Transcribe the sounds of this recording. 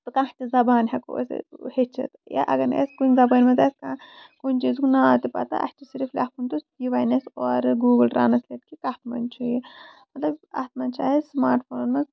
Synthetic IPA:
t̪ukãːt͡ʃizɐbaːnɦɐko̰shet͡ʃʰɐ̰t̪ja̰ʔɐ̰ɡɐɾnḛskunʲzɐbaːnʲmɐt̪ɐskãːkunʲt͡ʃizkunat̪ipɐ̰t̪a̰ʔɐ̰ht͡ʃisiɾiflʲa̰ːhpʰunt̪usiʋaːjnesoːɾɡuːɡɨlɾa̰ːnɐslʲet̪̚kikɐht̪mɐ̰nt͡ʃʰujimɐt̪lɐbɐ̰t̪mɐnt͡ʃʰa̰ːɦesmaːɾʈfoːnnmɐz

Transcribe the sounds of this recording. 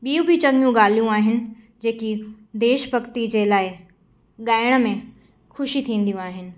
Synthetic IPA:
ɓiːũbʱɪt͡ɕɐ̃ŋɡijũɠaːl̤ijũaːɦɪnɪ̆ | d͡ʑeːki | d̪eːʃbɐkt̪id͡ʑeːlaːɪ | ɠaːɪɽ̃mẽ | xʊʃit̪ʰĩːn̆d̪ijũaːɦɪnɪ̆

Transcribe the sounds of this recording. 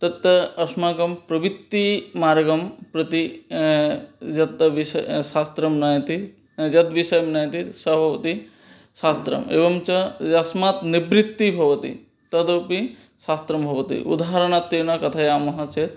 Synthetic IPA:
t̪ɐt̪ːɐɐsmaːkɐmpɾɐbit̪ːimaːɾɡɐmpɾɐt̪i | jɐt̪ːʋisɐsaːst̪ɾɐmnajt̪i | jɐt̪ʋiʃɐjɐmnaːjt̪isɐbʱɐʋɐt̪i | saːst̪ɾɐ̰mḛːʋɐmt͡ʃɐɐsmaːt̪nibɾit̪ːibʱɐʋɐt̪ḭ | t̪ɐd̪opi | saːst̪ɾɐmbʱɐʋɐt̪ḭʔṵd̪ʱaɦɐɾɐɳ̃at̪ːinɐkɐt̪ʰajaːmɐɦɐt͡ʃʰet̪

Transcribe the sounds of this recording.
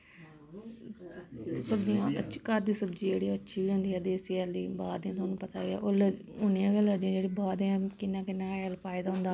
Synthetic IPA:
səbd͡ʒijãːət͡ʃkəɾd̪iːsəbd͡ʒiːd͡ʒeːɽiãːətːʃʰiːʋiːɦʊ̃nd̪iːɛːd̪eːsɛld̪ḭːbaːd̪ãːt̪ʰoaːnũːpət̪aːɡɪa̰ːʔoːlə | ʊnjãːɡələd̪iãd͡ʒeːɽiːbaːd̪̃ãːkɪnːãːkɪnːãːɛlpʰaːɪd̪aːɦʊ̃nd̪aː

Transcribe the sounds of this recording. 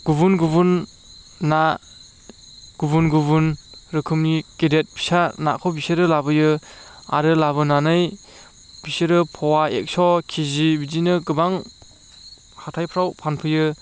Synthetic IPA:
ɡ̥ubunɡubunː | a | ɡ̥ubunɡubunɾɯkʰɯmnikedet̚bʰi̥sana̰kʰɔbiseɾɯlabɯjɯa̰ɾɯlabɯnanɯj | b̥iseɾɯpʰɔwaḛk̚sɔkʰizibizinɯɡɯbaŋ | hatʰajpʰɾawpʰanpʰɯjɯ

